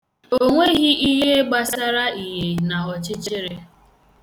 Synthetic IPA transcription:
oo˦ŋʷe˦ɣi˦i˦ɦe˦e˦ɡ͡ba˦sa˦ɾa˦i˨ɦe˨na˨ɔ˨t͡ʃɪ˦t͡ʃɪ˦ɾe˦

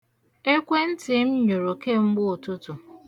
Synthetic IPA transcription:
e˦kʷe˦n̩˦tɪ˨m̩˦ɲu˨ɾo˨ke˦ŋ͡m̩˦ɡ͡bʊ˦˨tʊ˦tʊ˨

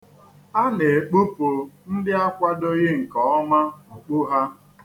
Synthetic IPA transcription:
a˦ne˨e˨k͡pu˦po˨n̩˦dɪ˦a˦kʷa˦do˦ɣe˦ŋ̩˨kɔ˦ɔ˦ma˦o˨k͡pʊ˦ɦa˦

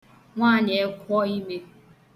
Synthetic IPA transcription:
ŋʷaː˦˨ɲe˨e˦kʷɔ˦i˦me˦

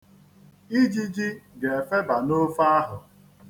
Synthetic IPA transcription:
i˦d͡ʒi˦d͡ʒi˦ɡe˨e˨fe˦ba˨no˦fa˦ɦʊ˨

